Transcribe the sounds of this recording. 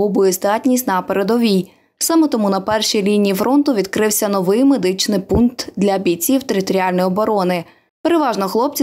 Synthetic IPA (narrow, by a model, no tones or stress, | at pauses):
ɔbʊɛzd̪ɑtʲnʲisʲtʲnɐpeɾe̞d̪ɔʋʲij | sɑmɛt̪ɔmunɐpɛrʃijlʲinʲijifɾɔnt̪ʊʋʲid̪kɾɪwsʲɐnɔʋɪjme̞d̪ɪt͡ʃnɪjpunk̚t̪d̪lʲɐɐbʲit͡sʲiwt̪eɾɪt̪ɔɾʲiɑlʲnɔjɔbɔɾɔnɪ | pe̞ɾe̞ʋɑʒnɔxlˠɔp̚t͡sʲi